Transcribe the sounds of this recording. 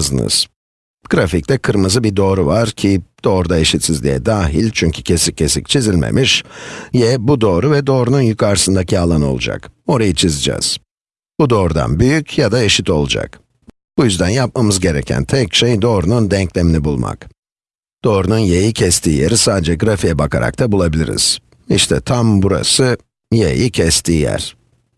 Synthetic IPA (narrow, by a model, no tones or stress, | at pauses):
zɯnɯ̰z̥ | ɡ̥ɾafic̚t̪ɛkʰɯɾmɯzɯbid̪o̞ːɾuvaɾcʰid̪̥o̞ːɾud̪ae̞ʃit̪sizlʲḭjɛ̰d̪aːɦilʲt͡ʃʰyɲcʰy̥cʰe̞sicʰːe̞sic̚t͡ʃʰizilʲmḛmʔiʃjɛbud̪o̞ːɾuvɛd̪o̞ːɾununjykʰaɾsɯnd̪acʰialˠano̞̰lˠṵd͡ʒa̰ko̞ɾajɯt͡ʃʰizɯd͡ʒɛ̰z̥ | b̥ud̪o̞ːɾud̪a̰nbyjycjad̪ae̞ʃit̪ʰo̞lˠud͡ʒa̰k | b̥ujyzd̪ænjap̚mamɯzɟe̞ɾecʰæ̰nt̪ʰɛcʃejd̪o̞ːɾunund̪ɛɲclʲeminʲibulˠma̰k | d̪̥o̞ːɾununjejicʰɛst̪ʰiːjeɾisaːd̪ed͡ʒɛɡɾafijɛbakʰa̰ɾa̰k̚t̪ʰabulˠabilʲḭɾḭz̥ | ḭʃt̪ʰɛt̪ʰambuɾa̰sɯ | jejicʰɛst̪ʰiːjæ̰ɾ̥